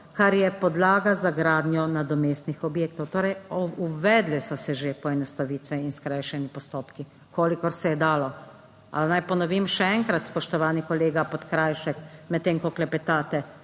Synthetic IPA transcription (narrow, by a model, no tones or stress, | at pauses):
kaɾjɛpɔd̪laːɡazaɡɾaːd̪njɔnad̪ɔmeːst̪nixɔbjeːkt̪ɔwt̪oːɾɛjuʋɛːd̪lɛsɔsɛʒepɔɛnɔst̪aʋiːt̪ʋɛinskɾajʃɛnipɔst̪oːpki | kʰoːlikɔɾsɛjɛd̪aːlɔ | a̰lnajpɔnɔʋimʃɛɛŋkɾat̪spɔʃt̪ɔʋaːnikɔleːɡapɔt̪kɾaːjʃɛkmɛt̪ːeːŋkɔklɛpɛt̪aːt̪ɛ